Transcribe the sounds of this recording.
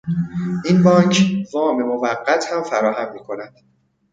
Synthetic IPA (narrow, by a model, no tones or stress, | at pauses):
ʔinbɒːncʰvɒːme̞movæɢːæt̪ʰhæmfæɾɒːhæmːiːkʰo̞næd̪̥